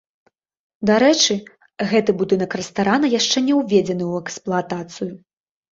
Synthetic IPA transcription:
d̪aɾɛt͡ʂɨ | ɣɛt̪ɨbud̪ɨnɐkrɛst̪aɾanɐjaʂt͡ʂɛnʲɛwvʲed͡zʲɛnɨwɛksplˠat̪at̪sɨju

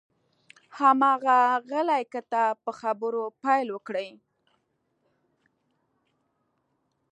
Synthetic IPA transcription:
hamɑɣaɣəlajkat̪apəxabəɾopajlwəkɽəj

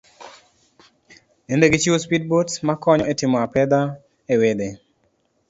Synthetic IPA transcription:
endeɡit͡ʃiospid̚botmakɔɲɔʔetɪmɔapɛd̪a | ewed̪e

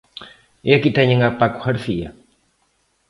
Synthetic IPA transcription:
jakit̪aɲəŋapaku̥haɾfija

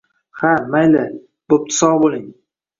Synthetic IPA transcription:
hamajlɪ | b̥op̚t̪ʰɪ̥sɒbolˠɪŋ

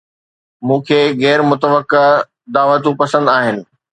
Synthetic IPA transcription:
mũːkʰeːɣɛːɾmʊt̪əʋəkːe | d̪aːʋət̪ũpɐsə̃nd̪aːɦɪnɪ̆

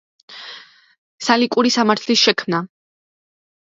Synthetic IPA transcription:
salikʼuɾisamaɾt̪ʰlisʃɛkʰmna

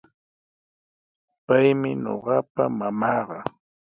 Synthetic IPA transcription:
pajmɪɲo̰ɢɑpa̰mamɑːɢɑ

